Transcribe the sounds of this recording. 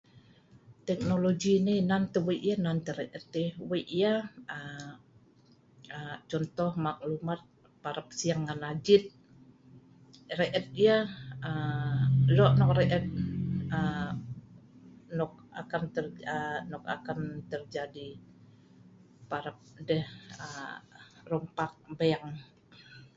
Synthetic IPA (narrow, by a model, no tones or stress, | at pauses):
t̪ɛk̚noloɡinɪnant̪əweʔjanant̪əɾɛʔət̪̚ɪweʔjaə | ət͡ʃɔnt̪ɔhmak̚lumat̪̚ | paɾap̚siaŋːanad͡ʒɪt̪̚ | rɛʔət̪̚ijaə | lɔʔnɔk̚rɛʔɛt̪̚ə | nɔk̚a̰kant̪ərənɔka̰kant̪ərd͡ʒadi | paɾəp̚dɛhə | rɔmpak̚baaŋ